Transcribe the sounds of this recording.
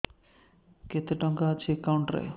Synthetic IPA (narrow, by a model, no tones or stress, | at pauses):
ket̪eʈɔŋɡat͡ʃʰikawɳʈɾḛ